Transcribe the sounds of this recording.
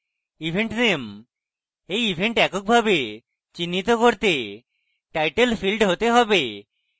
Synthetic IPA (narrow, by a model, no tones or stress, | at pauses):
ibʱeɳʈnem | ejibʱeɳʈɛkok̚bʱabe | t͡ɕinːit̪okoɾt̪e | ʈajʈelpʰilɖɦot̪eɦɔbe